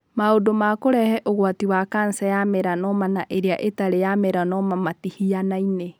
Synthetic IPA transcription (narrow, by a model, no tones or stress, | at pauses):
maodomakoɾɛhɛʔoɣwatiwakansɛjameɾanɔmanaʔeɾeaʔetaɾejameɾanɔmamatihianaine